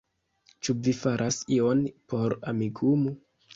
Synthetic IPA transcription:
t͡ʃuvifaɾʔasionpo̞ɾa̰miɡumu

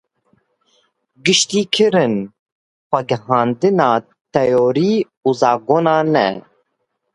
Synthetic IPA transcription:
ɡɨʃt̪iːkʰɨɾɨn | xʷɛɡɨhɑːnd̪ɨnɑː | t̪ɛjoːɾiː | uːzɑːɡoːnɑːnɛ̰

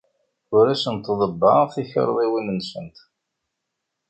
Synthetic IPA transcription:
ʊɾæsənt̪ðˤəbːəθiçə̰ɾˤðˤiwinənsə̰nt̪

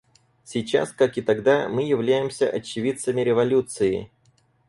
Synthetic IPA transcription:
sʲɪt͡ɕa̰skakɨt̪ɐɡd̪amɨjɪvlʲæjɪmsʲə̰ʔɐt͡ɕːɪvʲit̪səmʲɪɾʲɪvɐlʲut̪sɨɪ̰

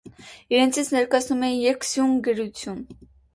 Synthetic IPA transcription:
iɾɛnt͡sʰit͡sʰnɛɾkɑt͡sʰnumɛjɛɾksjuŋɡəɾut͡sʰjun

